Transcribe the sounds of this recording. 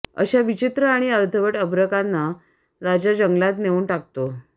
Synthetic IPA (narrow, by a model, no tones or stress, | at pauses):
ə̰ɕaʋit͡ɕit̪ɾəaɽ̃iəɾt̪ʰəʋəʈəbɾəkanːa | ɾad͡ʑjad͡ʑəŋɡlat̪neuːnʈak̚t̪o